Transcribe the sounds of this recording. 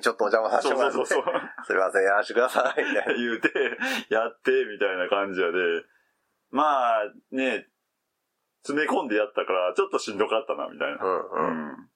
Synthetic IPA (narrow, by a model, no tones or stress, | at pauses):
t͡ɕot̪ːoːt͡ɕãmasãsooːsoːsosoɾeβaseejaɾaɕi̥kɯ̟d̪asaimit̪ajɯːt̪ejat̪ːe̞mʲit̪ainakãɲ̟d͡ʑijad̪e̞ | maːne̞ | t͡sɨmekõ̞nd̪e̞jat̪ːakaɾat͡ɕo̞t̪ːo̞ɕĩnd̪o̞kat̪ːana̰mʲḭt̪a̰ḭnã̰